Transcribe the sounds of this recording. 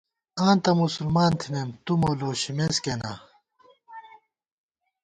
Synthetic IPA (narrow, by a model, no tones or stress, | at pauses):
ãːnt̪ɐmusulmaːnt̪ʰinemt̪umoloːɕimeskena̰